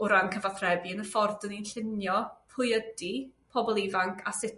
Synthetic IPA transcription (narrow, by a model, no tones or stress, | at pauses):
ʊɾankʰəvaθrɛbiənəfɔrdəninɬɪnjɔpʰʊjədipʰɔbɔlˠivaŋkʰasɪt